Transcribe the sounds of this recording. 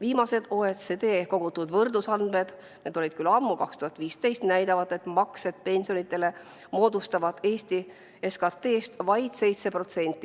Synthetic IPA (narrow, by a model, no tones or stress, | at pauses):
viːmɑse̞d̪̥o̞et̪sed̪eːko̞ɡ̥ut̪ːˑud̪̥vɤrd̪usɑnme̞d̪̥ | ne̞d̪o̞lʲid̪̥̚kylɑmːukɑkst̪uhɑt̪viːst̪e̞jst̪næjd̪ɑvɑd̪e̞t̪ːˑmɑkse̞d̪̥̚pe̞nʲsio̞nit̪ˑːe̞le̞ | mo̞ːd̪ust̪ɑvɑd̪̥e̞ːst̪i | eskɑt̪ːe̞ːst̪vɑjd̪̥se̞jt̪se̞pro̞t̪se̞nʲt̪ːˑi